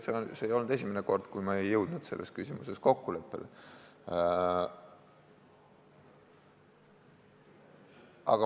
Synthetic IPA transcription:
seonseːjo̞lnud̪e̞s̬ʲimeneko̞rd̪̥kujmɑe̞jːɤwd̪̥nud̪̥se̞lːʔe̞skysʲimuse̞sko̞kːule̞pːˑe̞̰le | ɑ̰ɡ̥ɑ

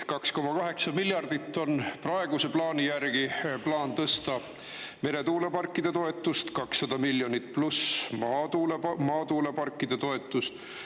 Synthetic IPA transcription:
kɑksko̞mɑkɑɦe̞ksɑmilʲjɑrd̪̥it̪ːo̞nprɑe̞ɡ̥use̞plɑːnʲijærɡ̥iplɑːnt̪ɤst̪ɑ | me̞ɾe̞t̪uːle̞pɑrkːˑid̪̥et̪o̞e̞t̪ːˑust̪kɑksːɑd̪̥ɑmiljo̞nʲit̪ːplusmɑt̪uːlemɑːt̪uːlepɑrkːˑid̪̥et̪o̞e̞t̪ˑːust̪

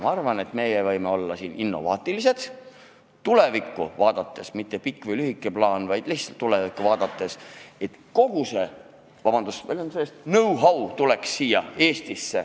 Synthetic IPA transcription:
mɑɑrvɑne̞t̪me̞jevɤjme̞o̞lːɑsiːnʔinːo̞̰vɑːt̪ˑilise̞d̪̥ | t̪ːule̞vikːuvɑːd̪̥ɑt̪ːˑe̞smit̪ˑːe̞pikːˑvɤjlyɦikːˑe̞plɑːnvɑjd̪̥lihtsɑlt̪ːulevikːˑuvɑːd̪̥ɑt̪ːˑe̞se̞t̪ko̞ɡ̥use̞ | vɑb̥ɑnd̪usvelonselːest̪nɤwɦɑwt̪ule̞ksːiːjɑeːst̪isːe̞

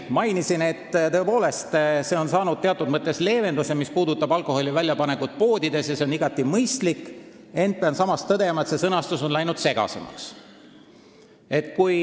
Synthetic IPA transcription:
mɑjnisine̞t̪ːt̪ɤ̞e̞po̞ːle̞st̪se̞o̞nsɑːnud̪̥̚t̪e̞ɑt̪ːˑud̪̥̚mɤt̪ːˑe̞sle̞ːve̞nd̪use̞mispuːd̪ut̪ːˑɑbɑlkˑo̞ho̞lʲivælʲjɑpɑnekut̪̚po̞ːd̪id̪e̞sjɑse̞o̞niɡ̥ɑt̪ːˑimɤjst̪likː | e̞nd̪̥̚peɑnsɑmɑst̪ːɤd̪e̞mɑet̪se̞sɤnɑst̪uso̞nlæjnud̪̥se̞ɡ̥ɑ̰se̞̰mɑ̰ks | e̞t̪ˑkuj

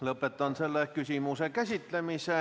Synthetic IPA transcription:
lopːˑet̪ːˑɑnselːekysimusekæsʲit̪lemiseˑ

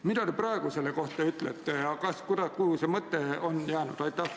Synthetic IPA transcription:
mid̪̥ɑd̪e̞prɑeɡ̥use̞le̞ko̞ht̪ːˑɑyt̪ˑlet̪ˑːejɑkɑskud̪̥ɑkuhusemɤt̪ːe̞o̞njæːnṵd̪̥ɑjt̪ˑːɑh

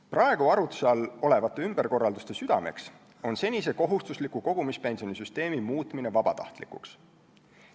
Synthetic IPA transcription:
prɑe̞ɡ̥uɑɾut̪sɑlo̞le̞vɑt̪ˑːe̞ymb̥erko̞rːɑld̪ust̪e̞syd̪̥ɑ̰me̞̰ks | o̞nse̞nʲis̬e̞ko̞ɦust̪uslikuko̞ɡ̥umispe̞nsio̞nis̬yst̪e̞ːmimuːt̪ˑmine̞vɑb̥ɑt̪ɑ̰ht̪likṵks

